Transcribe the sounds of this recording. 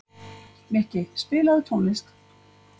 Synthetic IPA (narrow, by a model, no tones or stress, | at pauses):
mɛhcɪspɪːlaðt̪ʰuːnisk̚